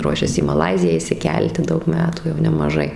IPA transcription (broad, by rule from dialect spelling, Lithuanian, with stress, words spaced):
ˈruɔʃʲɛs iː mɐˈlˠɐɪzʲɪjæː ɪʃʲsʲɪˈkʲɛlʲtʲɪ ˈdɐʊk ˈmʲæːtuː jɛʊ nʲɛmɐˈʒɐɪ